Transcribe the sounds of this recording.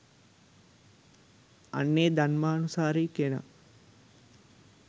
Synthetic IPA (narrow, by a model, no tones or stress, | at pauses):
ɐ̰nːeːd̪anmaːnusaːɾiːkena̰